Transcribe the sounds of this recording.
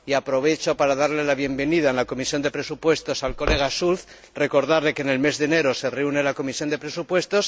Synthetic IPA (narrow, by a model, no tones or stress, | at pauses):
iapɾo̞β̞e̞t͡ʃo̞paɾaðaɾle̞laβje̞mbe̞niðaenlako̞misjo̞nd̪e̞pɾe̞supwe̞st̪o̞salko̞le̞ɣ̞asulθ | re̞ko̞ɾð̞aɾle̞kene̞lme̞zðene̞ɾo̞se̞reune̞lako̞misjo̞nd̪e̞pɾe̞supwe̞st̪o̞s